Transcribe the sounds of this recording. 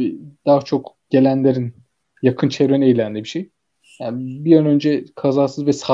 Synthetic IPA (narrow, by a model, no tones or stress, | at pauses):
d̪̥aːat͡ʃʰo̞k | ɟ̥e̞lʲænlʲeɾin | jakʰɯnt͡ʃʰeɾønejlʲænlʲibiʃej | janbijanø̞nd͡ʒɛkʰazaːsɯzvɛsa